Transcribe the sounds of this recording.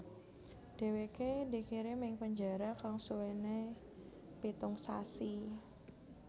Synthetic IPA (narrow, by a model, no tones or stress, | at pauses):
ɖ̥e̤wekedikiɾemɪŋpəɲd͡ʒa̤ɾakaŋsuwene | pit̪ʊŋsasi